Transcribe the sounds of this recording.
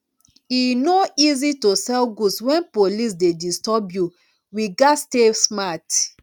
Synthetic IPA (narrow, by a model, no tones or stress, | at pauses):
inoizitosɛlɡudswɛ̃npolis̬dedistɔbju | wiɡastesmat